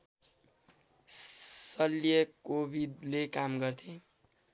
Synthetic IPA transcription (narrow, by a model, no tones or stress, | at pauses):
sʌljʌkobʱid̪lekamɡʌrt̪ʰẽ